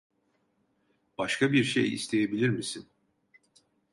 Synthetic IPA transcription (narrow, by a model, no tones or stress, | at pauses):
b̥aʃkʰabiɾʃḛjḭst̪ʰe̞jebilʲiɾmisin